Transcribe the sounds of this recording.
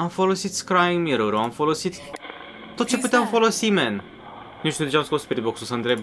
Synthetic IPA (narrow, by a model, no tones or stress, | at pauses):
amfo̞losit̪skɾaimiɾoɾoamfolosit̪ | t̪ːot̪̚t͡ʃe̞put̪eamfo̞lo̞simen | niʃt̪ud̪et͡ʃeamskospiɾiboksusənt̪ɾeb